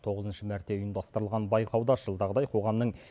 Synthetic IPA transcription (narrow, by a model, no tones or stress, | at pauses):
t̪ʰo̞ʁəzənʃəmæɾt̪eʊjəmd̪ɑst̪əɾəlˠʁɑnbɑjqʰɑwd̪ɑsʒ̥əlˠd̪ɑʁəd̪ɑjqʰo̞ʁɑmnəɴ